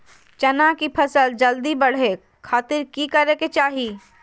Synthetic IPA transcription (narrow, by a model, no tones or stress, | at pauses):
t͡ʃɐnakipʰɐsəld͡ʒɐld̪ibɐɽ̤e | kʰaːt̪ɪɾkikɐɾeket͡ʃaːɦiː